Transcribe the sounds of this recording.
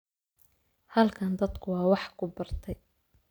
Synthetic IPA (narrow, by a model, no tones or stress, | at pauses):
hɐlkʰɐnd̪ɐd̪kʰʊwɑːwɑħkʰʊbɐrt̪ʰɛj